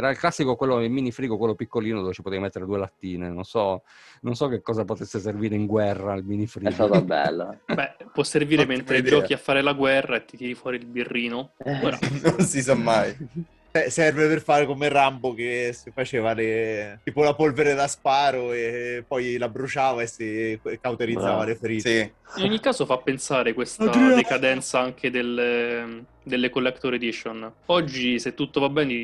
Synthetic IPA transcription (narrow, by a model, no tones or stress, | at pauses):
ɛːɾailklasːikokwelːoilminifɾiːɡokwelːopikːoliːnod̪oːvet͡ʃi̥pot̪ejmet̪ːeɾed̪uelat̪ːiːnenonsɔ | nonsɔk̟ekːɔːzapot̪esːeserviːɾeiŋɡwɛrːailminifɾiɡt̪ːat̪obɛ̰lːobɛpːwɔsːerviːɾement̪ɾed̪iɔkiafːaːɾelaɡwɛrːaet̪ːit̪jɛːɾifwɔːɾiilbirːiːnooːɾa̰nonsis̬amːaj | sɛsɛrveperfaːɾekomerambokesifat͡ʃeːvalet̪iːpolapolveɾed̪aspaːɾoepːɔjlabɾut͡ʃaːvaesekːawt̪eɾid̪zːaːvalefeɾiːti | inɲːikːaːzofapːensaːɾekwest̪ad̪ekad̪ɛnt̪saaŋk̟ʰed̪ele | d̪elːekolːɛkt̪oɾed̪it͡ʃonɔd͡ʒːiset̪ːut̪ːovabːɛːne